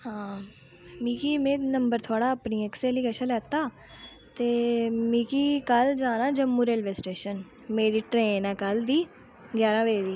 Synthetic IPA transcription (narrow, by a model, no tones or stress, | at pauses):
hãː | miːkiːmẽːnəmbəɾt̪ʰʊaːɽaːəpniːɛːkseːliɡeːʃənlɛːt̪aː | t̪eːmĩːkiːkəld͡ʒãːnãːd͡ʒəmːuːɾeːlʋeːsʈeːʃən | meːɾiːʈɾeːnɛ̃ːkəld̪iː | ɡjaːɾãːʋeːɾiː